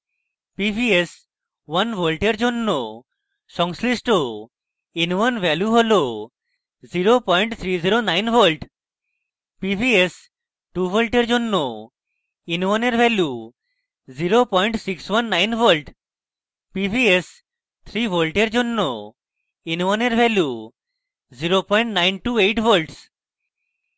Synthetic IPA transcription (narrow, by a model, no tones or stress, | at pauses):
pibʱies | wanbʱolʈeɾd͡ʑonːo | ʃɔŋslisʈo | inwanbʱɛljuɦolo | ziɾopɔjɳʈt̪ʰɾiziɾonajnbʰʱolʈ | pibʱies | ʈubʱolʈeɾd͡ʑonːo | inwneɾbɛlju | ziɾopɔjɳʈsikswanːajnbʱolʈ | pibʱies | t̪ʰɾibʱolʈeɾd͡ʒonːo | inwɔneɾbʱɛlju | ziɾopɔjɳʈnajnʈuejʈbʰʱolʈs